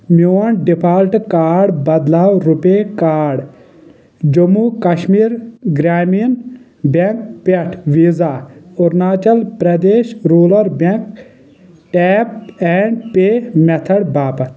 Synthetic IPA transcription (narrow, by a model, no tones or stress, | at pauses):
moːɐɳɖipʰaːlʈkaːɖbɐd̪laːwɾupekaːɖ | d͡ʒɐmuːkɐʃmiːɾɡɾaːmin | beŋk̚peʈʰʋiːzaːʊɾnaːt͡ʃɐlpɾɐd̪eːʃɾuːlɐɾbeŋk | ʈɛːp̚ɛɳɖpeːmet̪ʰɐɽbaːpɐt̪ʰ